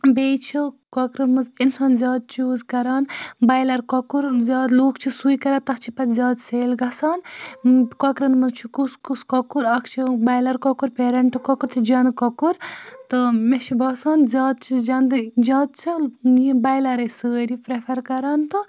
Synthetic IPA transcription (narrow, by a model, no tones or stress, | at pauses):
beːt͡ʃʰikɔkɾɐnmɨzinsaːnzʲjaːd̪̚t͡ʃoːzkɐɾaːnbɐjlɐɾkɔkuɾzʲaːd̪loːkʰt͡ʃʰisujkɐɾaːt̪ɐkʰt͡ʃʰipɐt̪zʲaːd̪seːlɡɐsaːn | kɔkɾɐnmɐzt͡ʃʰikuskuskɔkuɾɐkʰt͡ʃʰibɐjlɐɾkɔkuɾpeːɾɐɳʈɨkɔkuɾt̪ʰid͡ʒɐnd̪kɔkuɾt̪ɨmeʃʰibɐːsaːnzʲaːd̪̚t͡ʃʰizd͡ʒɐnd̪ɨd͡ʒʲaːd̪̚t͡ʃʰiibɐjlɐɾɐjsəːɾipɾepʰɐɾkɐɾaːnt̪ɨ